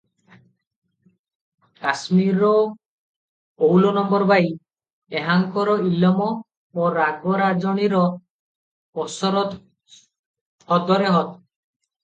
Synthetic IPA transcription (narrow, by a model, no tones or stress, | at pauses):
kasmiɾːɔ | owlɔnɔmbɔɾbaj | eɦaŋkɔɾɔilɔmɔ | oɾaɡɔɾad͡ʒɔɽ̃iɾɔ | ɔsɔɾɔt̪ | ɔd̪ɔɾeɦɔt̪